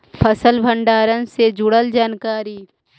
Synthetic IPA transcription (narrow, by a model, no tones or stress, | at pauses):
pʰəsəlbʱə̃ɳɖaːɾənsed͡ʒʊɽəld͡ʒaːnkaːɾiː